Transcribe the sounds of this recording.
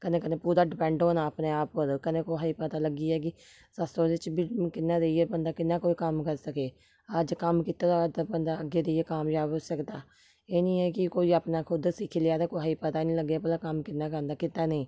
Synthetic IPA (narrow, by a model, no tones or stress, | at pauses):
kənẽːkənẽːpuːd̪aːɖɪpɛ̃ːɳɖɦoːnaːpneːaːpəɾkənẽːkoːɦaːiːpət̪aːləɡiːɛːk̬ɪ | səst̪õːd̪ɪt͡ʃbimkɪnːãːd̪eieːbənd̪aːkɪnːãːkoːiːkəmkəɾsəkeː | əd͡ʒkəmkɪt̪aːd̪ad̪abənd̪aːəɡːeːd̪eːeːkaːmjaːbosəkd̪aː | eːnĩːɛːkɪkoːiːaːpnaːkʰʊd̪sɪkʰilɪaːd̪aːkoːɦaːiːpət̪aːnĩːləɡːeːpəaːkəmkɪnːaːkəɾnd̪aːkɪt̪ːaːnəĩː